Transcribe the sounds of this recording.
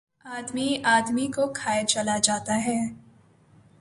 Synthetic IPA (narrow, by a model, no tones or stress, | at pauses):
aːd̪miaːd̪mikokʰaːet͡ʃɐlad͡ʒaːt̪aɦɛː